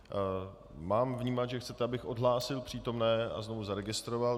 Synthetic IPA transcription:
maːmvɲiːmat̪ʒɛxt͡sɛt̪ɛabɪxʔo̞dɦlaːsɪlpr̥iːt̪o̞mnɛːa̰znovuzaɾɛɡɪst̪ɾoval

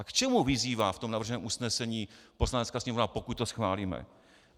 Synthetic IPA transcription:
akt͡ʃɛmuvɪziːvaːft̪omnavr̩ʒɛnɛːmʔusnɛsɛɲiːpo̞slanɛtt͡skaːsɲɛmovnapokut̪t̪ːosxvaːliːmɛ̰

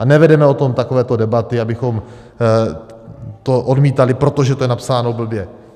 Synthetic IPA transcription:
ʔanɛvɛdɛmɛo̞t̪o̞mt̪ako̞vɛːt̪o̞dɛbat̪ɪabɪxo̞m | t̪o̞ʔo̞dmiːt̪alɪpɾo̞t̪oʒɛt̪ojɛnapsaːnobl̩bjɛ

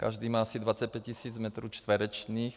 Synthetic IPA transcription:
ka̰ʒd̪iːmaːasid̪vat͡sɛc̚pɛc̚cːisiːd͡zmɛt̪ɾuːt͡ʃt̪ʋɛɾɛt͡ʃniːx

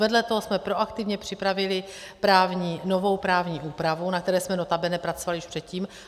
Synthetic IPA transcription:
vɛdlɛt̪oɦosmɛpɾo̞ʔakt̪ɪvɲɛpr̥ɪpɾavɪlɪ | pɾaːvɲiːnovo̞wpɾaːvɲiːʔuːpɾavunak̚t̪ɛɾɛːsmɛnot̪abɛnɛpɾat͡sovalɪjɪʃpr̥ɛt̪ciːm

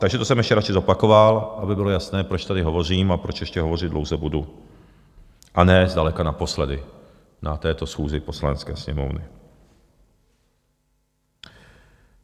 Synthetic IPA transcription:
t̪aɡʒɛt̪osɛmjɛʃcɛɾat͡ʃɪzo̞pako̞valʔabɪbɪlo̞jasnɛːpɾot͡ʃt̪adɪɦo̞vo̞r̝iːmapɾot͡ʃjɛʃcɛɦo̞vo̞rɪd̪dlowzɛbudu | ʔanɛːzdalɛkanapo̞slɛdɪ | nʔat̪ɛːt̪o̞sxuːzɪpo̞slanɛt͡skɛːsɲɛmo̞̰vnɪ̰

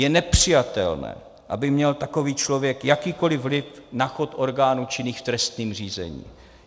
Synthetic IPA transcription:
jɛnɛpr̝̥ɪjat̪ɛ̰lnɛ̰ː | ʔa̰bɪmɲɛlt̪ako̞viːt͡ʃlo̞vjɛkjakiːko̞lɪvlɪfnaxot̪ʔo̞ɾɡaːnut͡ʃɪniːxft̪ɾɛst̪niːmr̝iːzɛ̰ɲḭː

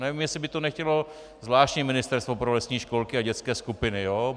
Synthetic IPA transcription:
nɛvimjɛsɪbɪt̪onɛxcɛlo̞ | zvlaːʃtɲɛmɪnɪst̪ɛɾst̪vopɾolɛsɲiːʃkolkɪaɟɛt͡skɛːskupɪnɪjoː

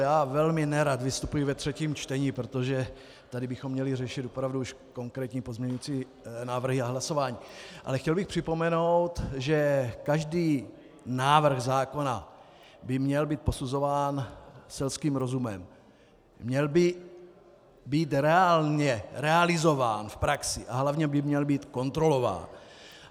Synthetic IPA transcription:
jaːvɛlmɪnɛɾat̪vɪst̪upujɪvɛt̪r̝̥ɛciːmt͡ʃt̪ɛɲiːpɾot̪oʒɛ | t̪adɪbɪxomːɲɛlɪrɛʃɪt̪opɾavduuʃko̞ŋkɾɛːt̪ɲiːpo̞zmɲɛɲujit͡siː | naːvr̩ɦɪaɦlaso̞vaːɲiːʔa̰lɛxcɛlbɪxpr̝̥ɪpo̞mɛno̞wt̪ʒɛkaʒdiː | naːvr̩ɣzaːko̞na | bɪmɲɛlbiːt̪̚po̞suzo̞vaːnsɛlskiːmɾo̞zumɛ̰mː | ɲɛlbɪ | biːt̪ɾɛaːlɲɛɾɛalɪzo̞vaːnfpɾaksɪʔaɦlavɲɛbɪmɲɛlbiːt̪ko̞nt̪ɾo̞lo̞va̰ːn

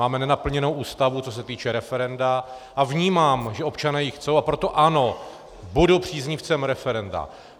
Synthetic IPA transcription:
aːmɛnɛnapl̩ɲɛnowʔuːst̪avut͡so̞s̬ɛt̪iːt͡ʃɛɾɛfɛɾɛnda | ʔavɲiːmaːmʒɛʔo̞pt͡ʃanɛːjixt͡so̞wʔapɾo̞t̪o̞ʔano̞ | budowpr̝̥iːzɲɪft͡sɛmɾɛfɛɾɛnda̰

